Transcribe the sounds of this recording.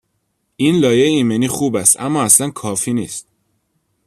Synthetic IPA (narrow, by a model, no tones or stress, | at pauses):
ʔinlɒːjeeiːmeniːxuːbæst̪æ̰mːɒːæslænkʰɒːfiːnḭːst̪̚